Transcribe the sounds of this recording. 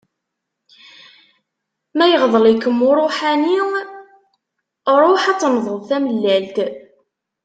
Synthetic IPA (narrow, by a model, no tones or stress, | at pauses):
mæjəʁðˤəlikːəmːʊɾˤoħæni | ɾˤoħɑt͡sːnðˤəðˤθæməlːælt̪